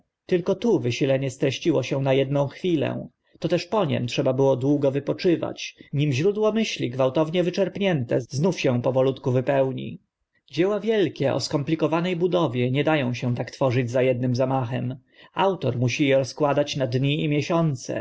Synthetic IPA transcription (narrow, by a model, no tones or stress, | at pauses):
t̪ɘlkɔt̪uvɘɕilɛɲɛst̪ɾɛɕt͡ɕiwɔɕɛw̃najɛd̪nɔ̃w̃xfʲilɛ̰ | t̪ɔt̪ɛʂpɔɲɛ̰mtʂɛbabɘwɔd̪wuɡɔvɘpɔt͡ʂɘva̰t͡ɕɲimʑɾud̪wɔmɘɕlʲiɡvawt̪ɔvɲɛvɘt͡ʂɛɾpɲɛnt̪ɛ̰znufɕɛ̃pɔvɔlut̪kuvɘpɛwɲḭ | d͡ʑɛwavʲjɛlkʲɛʔɔ̰skɔmplʲikɔvanɛjbud̪ɔvʲjɛɲɛd̪ajɔ̃w̃ɕɛ̃t̪akt̪fɔʐɘd͡ʑzajɛd̪̚nɘmzamaxɛm | awt̪ɔɾmuɕijɛɾɔskwad̪at͡ɕnad̪ɲiimʲjɛɕɔnt̪sɛ̰